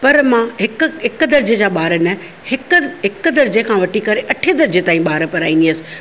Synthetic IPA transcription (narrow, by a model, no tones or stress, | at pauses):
pɐɾmãɦɪkɦɪkʊd̪ɐɾd͡ʑed͡ʑaːɓaːɾənɐ | hɪkɦɪk̆d̪ɐɾd͡ʑekʰãːʋɐʈikɐɾeʔɐʈʰed̪ɐɾd͡ʑet̪aːĩɓaːɾpɐɾaːĩnd̪iəsɪ̥̆